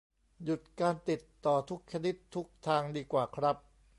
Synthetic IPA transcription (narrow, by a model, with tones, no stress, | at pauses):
ju˨˩t̪̚kaː˧nt̪i˨˩t̪ːɔː˨˩t̪ʰu˦˥k̚t͡ɕʰa˧ni˦˥t̪ʰːu˦˥k̚t̪ʰaː˧ŋdiː˧kwaː˨˩kʰɾa˦˥p̚